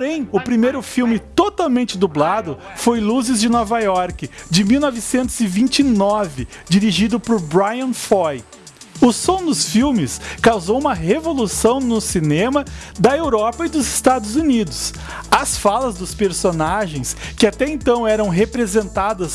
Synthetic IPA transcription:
poɾẽj̃ʊpɾimejɾʊfiwmɪt̪ot̪awmẽnt͡ʃɪd̪ublad̪ʊ | fojluzɪzd͡ʒɪnɔvajɔɾkɪd͡ʒɪmiwnɔvɪsẽnt̪ʊz̥ɪvĩnt͡ʃinɔvɪd͡ʒiɾiʒid̪ʊpʊɾbɾajɐ̃nfɔj | ʊsõw̃d̪ʊsfiwmɪskawzowũmɐɦevolusɐ̃w̃nʊsinẽmɐ | d̪ɐewɾɔpɐɪd̪ʊzɪst̪ad̪ʊzunid̪ʊs | ɐsfalɐzd̪ʊspeɾsonaʒẽj̃skɪat̪ɛẽnt̪ɐ̃w̃ɛɾɐ̃w̃ɦepɾezẽnt̪ad̪ɐs

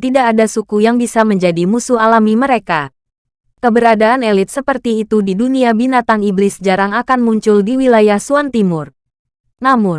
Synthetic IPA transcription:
t̪idaːdasukujaŋbisaməɲd͡ʒadimusuɦalamiməɾeka | kəbəɾadaːnelɪt̪̚səpərt̪iːt̪udiduniabinat̪aŋiblɪsd͡ʒaɾaŋakanmuɲt͡ʃʊldiwilajahsuant̪imʊr | namʊn

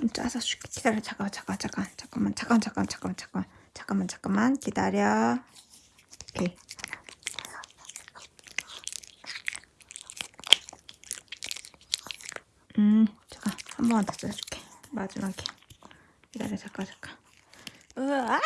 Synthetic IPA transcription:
mt͡ɕʰaasat͡ɕu̥kʰe̥kid̥aɾjʌt͡ɕakat͡ɕḁk͈at͡ɕak͈ant͡ɕḁk͈amːant͡ɕak͈ant͡ɕak͈amt͡ɕḁk͈amant͡ɕḁkamant͡ɕḁk͈amːant͡ɕḁk͈amːankidaɾjʌ | kʰe | ɯt͡ɕe̥ɡahambʌŋantʰas͈ʌɕʰu̥kʰemad͡ʑimaɡe | kida̰ɾjʌt͡ɕak͈at͡ɕḁk͈a | ɯa

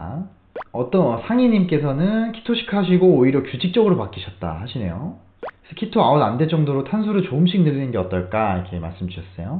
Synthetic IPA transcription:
ʌt͈ʌnʌsʰaŋiɲimk͈e̞sʰʌnɯnkʰi̥tʰoɕʰi̥kʰaɕ̬ʰiɡoːiɾjʌkjud͡ʑʰik̚t͡ɕ͈ʌɡɯɾopak͈iɕʰʌt̚t͈a̰haɕʰine̞jo | esʰʌkʰitʰoaonande̞d͡ʑʌŋdoɾotʰansʰuɾɯt͡ɕoɯmɕʰik̚nɯɾinɯnɡe̞ʌt͈ʌɭk͈aikʰema̰ɭs͈ɯmduɕʰʌs͈ʌ̰jo

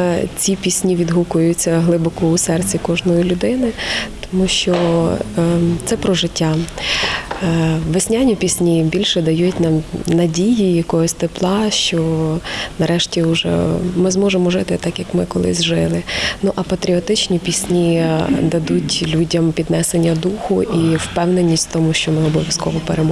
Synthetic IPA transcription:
t͡sʲipʲisʲnʲiʋʲid̪ɦukʊjʊt͡sʲːɐɦlˠɪbɔkʊʊsɛrt͡sʲikɔʒnɔjilʲʊd̪ɪnɪt̪ɔ̥muʃt͡ʃɔ | t̪sɛpɾɔʒɪtʲːa | ʋesʲnʲanʲipʲisʲnʲibʲilʲʃɛd̪ɐjutʲnɐmnɐdʲijijɐkɔɦɔsʲt̪eplˠɑʃt͡ʃɔ | nɐɾɛʃtʲiʊʒɛ̰mɪzmɔʒemɔʒɪt̪ɪt̪ɑkjɐkmɪkɔlˠɪ̰zʲʒɪlˠɪnuʔɐpɐt̪ɾʲiɔt̪ɪt͡ʃnʲipʲisʲnʲid̪ɐd̪utʲlʲudʲɐmpʲid̪nɛsenʲːɐd̪uxʊʔiwpɛwnenʲːisʲtʲt̪ɔmuʃt͡ʃɔmɪɔbɔʋʲjɐskɔ̰ʋɔpeɾemɔ

